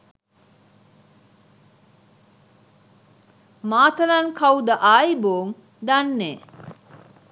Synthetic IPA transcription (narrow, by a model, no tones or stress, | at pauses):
maːt̪ɐlaŋkʰawd̪əʔaːiboːŋ | d̪anːeː